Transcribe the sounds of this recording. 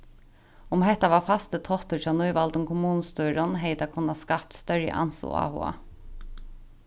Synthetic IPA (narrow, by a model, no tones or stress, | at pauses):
ʊmɦɛt̪aʋɑːfɑst̪ət̪ʰɔht̪əfɑːnʊʏʋɑlt̪ʊmkʰʊmuːnəst̪uːɾʊnɦɛɪd̪akʰʊnːaskɑp̚t̪st̪œɾjə̰ʔɑ̰nsṵa̰ːhʊ̰a̰